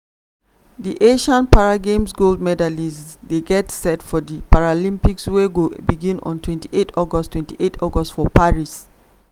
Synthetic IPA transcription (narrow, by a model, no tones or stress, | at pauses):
diʔeʃãnpaɹaɡẽmsɡoldmɛdalisdeɡɛtsɛtfɔdipaɹalĩmpiksweɡobiɡĩnɔ̰̃ntʰwɛ̃ntiʔetʰɔɡɔstʰwɛ̃ntiʔetʰɔɡɔstfɔpaɹis